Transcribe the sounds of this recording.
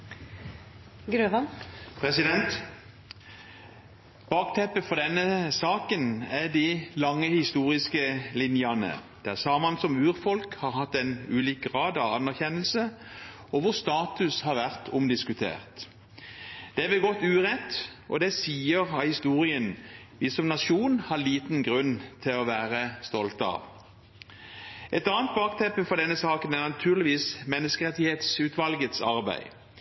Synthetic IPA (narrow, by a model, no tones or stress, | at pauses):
ɡɾøːʋɑnpʰʁɛsɪd̪ɛnt̪ | b̥ɑːkt̪ʰɛpːəfɔʁd̪ɛnːəsɑːkənæd̪ɪlɑŋːəhɪst̪uːʁɪskəlɪnjɑnə̰d̪̥æsɑːmɑnsɔmʉːʁfɔlkhɑːʁhɑt̪ːɛnʉːliːk̚ɡʁɑːd̪ɑɑnːæʁçɛnːəlsə | ɔʋʊʁst̪ɑːt̪ʉshɑːʁʋæʁt̪ʰʊmd̪ɪskʉt̪ʰḛːʁt̪ | d̪̥ɛʋɪlɡɔt̪ːʉːʁɛt̪ːʔɔ̰d̪ɛsiːəʁɑhɪst̪uːʁɪən | ʋisɔmnɑʃuːnhɑʁliːt̪nɡʁʉnt̪ʰɪlɔʋæːʁəst̪ɔlt̪ɑ̰ʋ | ʔɛt̪ɑːənt̪̚bɑːk̚t̪ʰɛpːəfɔʁd̪ɛnːəsɑːkənæʁnɑt̪ʰʉːʁlɪʋiːsmɛnːəskəʁɛt̪ɪheːt̪sʉːt̪ʋɑlɡət̪sɑʁbæ̰ɪ